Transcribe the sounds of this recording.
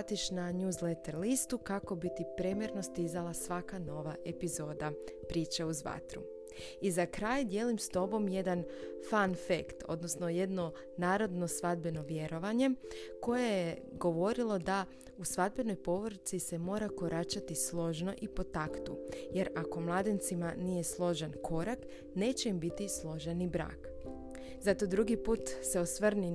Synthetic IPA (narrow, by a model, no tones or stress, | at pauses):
at̪iʃnaɲuːzlet̪eɾlist̪ukako̞bit̪ipɾemjeɾno̞st̪izalˠasʋakano̞ʋaʔe̞pizo̞ːd̪apɾiːt͡ʃeuzʋa̰t̪ɾṵ | izakɾaːjd̪je̞ːlimst̪o̞bo̞mje̞d̪an | fanfekt̪o̞̰d̪no̞sno̞je̞d̪no̞ | naːɾo̞d̪no̞sʋad̪be̞no̞ʋje̞ɾo̞ʋaɲe̞ko̞jejeɡo̞ʋo̞ɾilˠod̪a | usʋad̪̚be̞no̞jpo̞ʋɾ̩t̪sise̞mo̞ːɾako̞ɾʔat͡ʃat̪islˠo̞ʒno̞ʔipo̞t̪akt̪uje̞ɾako̞mlˠaːd̪int̪simanije̞slˠo̞ʒenkʰo̞ɾak | ne̞ːt͡ɕe̞imbit̪islˠo̞ʒenibɾa̰ːk | zat̪o̞d̪ɾuɡipuːt̪se̞o̞sʋr̩ni